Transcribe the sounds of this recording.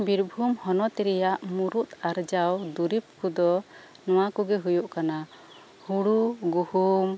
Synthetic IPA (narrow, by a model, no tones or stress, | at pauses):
biɾbʱumhɔnɔt̪ɛɾɛjaʔmuɾut̪aɾd͡ʒawd̪uɾip̚kud̪ɔ | nɔw̃akuɡɛɦujuʔkana | huɽuɡuhum